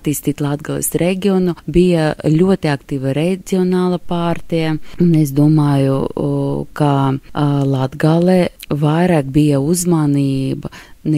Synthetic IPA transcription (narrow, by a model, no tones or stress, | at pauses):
t̪ːiːst̪iːt̪lˠad̪̚ɡalˠḛsɾʔeɡʲionubijalʲuɔt̪iakt̪iːʋaɾezʲiɔnaːlˠapaːɾt̪ijaunesd̪uɔmaːjṵ | ka | lˠad̪ɡalˠevajɾaːkbijauzmaniːbɐn